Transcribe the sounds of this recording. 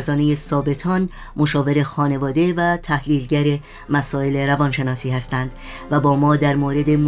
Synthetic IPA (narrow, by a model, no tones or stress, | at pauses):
ɾzɒːne̞je̞sɒːbe̞t̪ʰɒːn | moʃɒːve̞ɾexɒːne̞vɒːd̪e̞væt̪ʰæhliːlɟæɾe̞ | mæsɒːe̞le̞ɾævɒːnʃe̞nɒːsiːhæst̪ænd̪̥ | væbɒːmɒːd̪æɾmoːɾe̞d̪e̞m